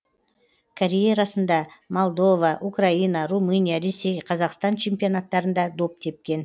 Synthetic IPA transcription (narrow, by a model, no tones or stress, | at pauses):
kʰaɾʲejaɾɑsənd̪ɑmo̞lˠd̪o̞vɑʔukrainɑrumɨnijaɾe̞sʲːe̞jqʰɑzɑqst̪ɑnt͡ʃʰe̞mpijonat̪ːɑɾənd̪ɑd̪o̞p̚t̪ʰe̞p̚kʲe̞n